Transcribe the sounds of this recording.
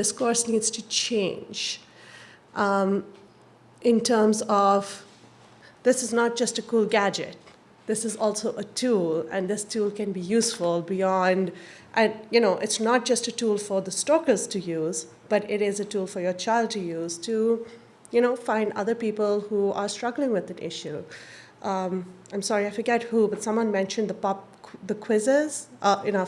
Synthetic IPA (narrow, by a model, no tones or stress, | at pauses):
dɪskɔɹsniːdz̥tut͡ʃẽɪ̃nd͡ʒ | ʔ | ʔɪ̃ntʰəːmzɔv | d̪ɪsɨznət̚d͡ʒʌstəkuːlɡæd͡ʒɪ̰t̚ | d̪ɪsɨzɔlˠsoʊʔətʰuːlɨ̰̃nðɪstʰuːlkɨ̃nbijuːsfəlˠbijɔ̃nd | ʔɨ̃njɨnoʊʔɪtsnət̚d͡ʒ̥ʌstɨtulfəɾd̪əstɔkəz̥tʰɨjuz | b̥ʌɾɪɾɪzɨtuːlˠfəɹjət͡ʃaɪlˠd̚tɨjuːz̥tʰu | jɨñoʊfãɪ̃nɖdʌ̰ðə˞pipəlˠhuʔəɾstɹ̥ʌɡlɪ̃ŋwɪðætɪ̰ʃuʔʌmãɪ̃msɔɹiaɪfə˞ɡɛt̚hubʌtsʌ̃mwʌ̃nmɛ̃nʃɨ̃nd̪əpɑp̚ | ðəkʰw̥ɪzə˞z̥ʌɨno